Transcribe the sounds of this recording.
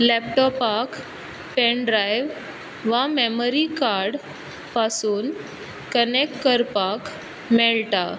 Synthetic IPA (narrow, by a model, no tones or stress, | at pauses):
lɛpʈɔpak | peɳɖɾajʋ | ʋameməɾikaɾɽ | pasuːn | kənekʈkəɾpak | mɛɭlʈa